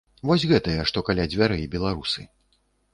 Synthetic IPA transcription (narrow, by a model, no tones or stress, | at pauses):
vɔsʲɣɛt̪ɐjɐʂt̪ɔkalʲad͡zʲvʲaɾɨibʲɛlˠaɾusɨ